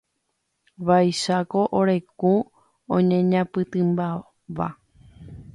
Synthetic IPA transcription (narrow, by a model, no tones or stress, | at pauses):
ʋajʃako̞ʔoɾe̞ku | õɲẽɲãpɨt̪ɨ̃mba | ʋa̰